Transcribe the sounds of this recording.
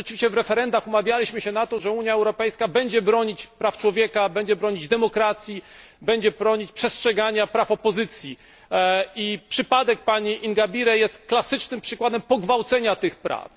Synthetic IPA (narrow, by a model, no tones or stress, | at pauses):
ɛɨ̥vʲiɕt͡ɕɛvɾɛfɛɾɛnd̪axumavʲjalʲiɕmɘɕɛnat̪ɔʐɛuɲjaɛwɾɔpɛjskabɛɲd͡ʑɛbɾɔɲit͡ɕpɾaft͡ʂwɔvʲjɛkabɛɲd͡ʑɛbɾɔɲid͡ʑd̪ɛmɔkɾat̪sʲjibɛɲd͡ʑɛpɾɔɲit͡ɕpʂɛstʂɛɡaɲapɾafɔpɔzɘt̪sʲji | ipʂɘpad̪ɛk̚paɲiʔinɡabʲiɾɛjɛst̪klasɘt͡ʂnɘmpʂɘkwad̪ɛmpɔɡvawt̪sɛɲat̪ɘxpɾa̰f